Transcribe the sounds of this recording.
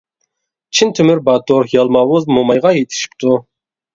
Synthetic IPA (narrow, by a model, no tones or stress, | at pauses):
t͡ʃʰint̪ʰymyɾbɑt̪ʰoɾjɑlˠmɑwuzmomɑjʁɑjet̪ʰɪ̥ʃi̥p̚t̪ʰu